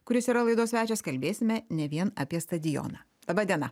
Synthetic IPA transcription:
kʊɾʲɪsiːɾɐlˠɐɪd̪oːsʲʋʲæːt͡ʃʲɛskɐlʲbʲeːsʲɪmʲɛnʲɛʋʲiɛnɐpʲiɛst̪ɐd̪ʲɪjo̰ːnɑː | d̪ˠɐːbɐd̪ʲiɛnɐ

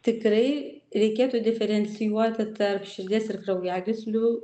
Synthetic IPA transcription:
t̪ʲɪkɾɐɪ | ɾʲɛɪkʲeːt̪ʊːd̪ʲɪfʲɛɾʲɛnʲt͡s̪sʲɪjuɔt̪ʲɪt̪ɐrpʃʲɪɾʲd̪ʲeːsɪrkɾɐʊjæːɡʲɪsʲlʲʊ

